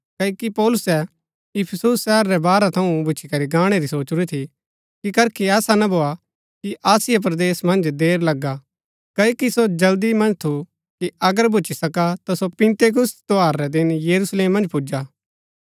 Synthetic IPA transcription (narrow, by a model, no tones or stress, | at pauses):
kɐokipɔːlʊsɛ | ɪpʰəsusːɛːəɾɾɛbaːɾɛt̪ʰɐũbʱʊt͡ʃʰikɐɾiɡaːɽ̃eɾisoːt͡ʃɾit̪ʰi | kikɐɾkʰiɛːsanɐbʱoːa | kiʔaːsɪjap̬ɾɐd̪eːsmɐ̃nd͡ʒd̪eːɾlɐɡːa | kɐokisod͡ʒɐld̪imɐ̃nd͡ʒt̪ʰu | kiɐɡəɾbʱʊt͡ʃisɐkat̪asopɪ̃nt̪eːk̬ʊst̪oɦaːɾːɛd̪ɪnjɐɾusleːmːɐ̃nd͡ʒpʊd͡ʒaː